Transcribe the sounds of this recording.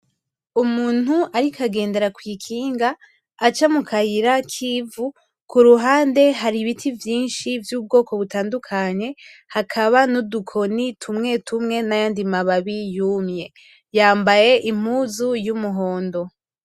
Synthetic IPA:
umuːnhuaɾikaɡe̞ːnde̞ɾakwiːkʰiːŋɡaː | t͡ʃamukʰajiɾakʰiːvu | kuɾuɦaːnde̞ɦaɾiβitʰivjiːnʃivjuːb̚ɡo̞ːko̞βutaːndukʰaɲe̞ | hakʰaβanudukʰo̞nitʰumŋe̞ːtʰumŋe̞najaːndimaβaβijuːmɲe̞ | jaːmbaje̞ʔim̥uzujumuɦo̞ːndo̞

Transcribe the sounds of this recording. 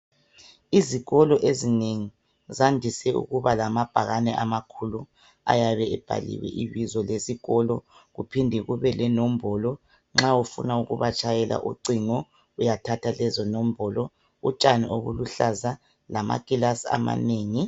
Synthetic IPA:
iziɣɔlɔʔezineŋi | zandʱisɛṵɣuβalamab̥ʱaɣanɛʔamakʰulu | a̰jaβɛɛb̥ʱa̰lḭwɛ̰ʔiβizɔlesiɣɔlɔɣupʰindʱɛɣuβɛlɛnom̩bʱɔlɔ | ŋ͡ǁaufṵnauɣuβat͡ʃʼʰajɛlʔa̰ʔuǀiŋɔ | ujatʰatʰalɛzɔnom̩bʱɔlɔ | ut͡ʃʼanio̰βṵluɬaza | lama̰kʼilasa̰ma̰neːŋi

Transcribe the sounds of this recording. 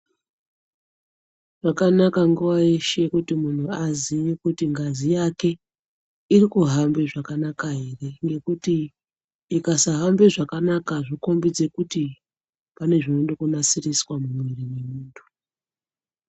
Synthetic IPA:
ʐ̥akanakaŋɡuwaiʃe̞kutimun̤uazijikutiŋɡazijake̞ | irikuɦambeʐakanakaɦe̞re̞ŋɡe̞kutiː | kasaɦambeʐakanakaʐiko̞mbid͡ze̞kuti | pane̞ʐino̞ɗokunasiriswamumwirimemuːntʰu̥

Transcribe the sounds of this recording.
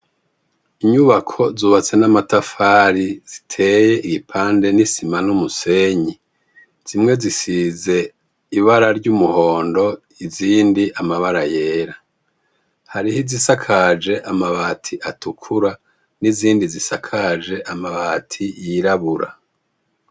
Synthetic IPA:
iɲuβakʰo̞zuːβat͡se̞namatafaːɾiz̥itʰe̞je̞ʔiɡipʰaːnde̞nisimanumuse̞ɲi | z̥imŋe̞zisize̞ | iβaɾaɾɟumuho̞ːndo̞ | iziːndiʔamaβaɾaje̞ːɾa | haɾihizisakʰad͡ʒe̞ʔamaβaːtʰiʔatukʰuɾa | niziːndizisakʰad͡ʒe̞ʔamaβaːtʰijiɾaβuɾa̰

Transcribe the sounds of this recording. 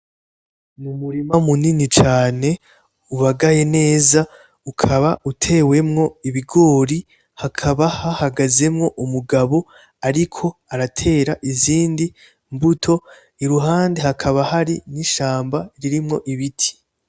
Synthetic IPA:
numuɾimamuninit͡ʃaːne̞ | uβaɡaje̞ne̞ːza | ukʰaβautʰe̞we̞mŋo̞iβiɡo̞ːɾi | hakʰaβahahaɡaze̞mŋo̞ʔumuɡaβo̞ | aɾikʰo̞aɾatʰe̞ːɾaʔiziːndi | mbutʰo̞ | iɾuɦaːnde̞hakʰaβahaɾiniʃaːmbaɾiɾimŋo̞ʔiβitʰi̥

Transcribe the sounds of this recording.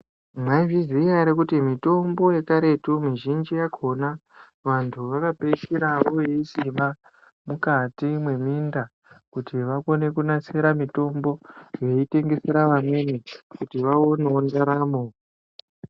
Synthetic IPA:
maiviziaɾikutimito̞mbo̞jekaɾe̞tumiʒind͡ʒijakʰo̞na | ʋantʰuʋakapeʃiɾaʋo̞jeisima | mukatimwe̞minda | kutiʋako̞ne̞kunase̞ɾamito̞mbo̞je̞ite̞ŋɡe̞se̞ɾaʋamwe̞nekutiʋao̞neondaɾaːmo

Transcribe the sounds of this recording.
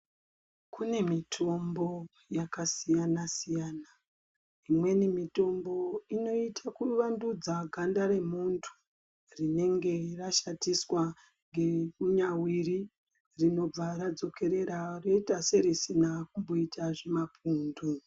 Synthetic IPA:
kune̞mitʰo̞mbo̞ | jakasijanasijaːna | imwe̞nimito̞mbo̞ino̞itʰakuʋandud͡zaɡʱandaɾe̞muntʰu̥ | rine̞ŋɡe̞raʃatiswa | ŋɡe̞kuɲawiri | rino̞b͡vaɾad͡zo̞ke̞ɾe̞ɾaro̞itase̞ɾisinakumbo̞itʰaʐe̞mapʰuːndu

